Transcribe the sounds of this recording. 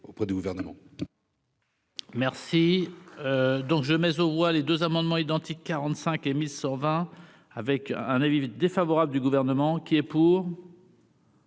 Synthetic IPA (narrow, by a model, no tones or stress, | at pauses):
opχɛd̪yɡuvɛʁnəmɑ̰̃ | mɛʁsiød̪ɔ̃kʒəmɛzovwaled̪øzamɑ̃d̪mɑ̃id̪ɑ̃t̪ikːaʁɑ̃t̪sɛ̃kemilsɑ̃vɛ̃ | avɛkɛ̃navid̪efavɔʁabləd̪yɡuvɛʁnəmɑ̃kʲiɛpuːʁ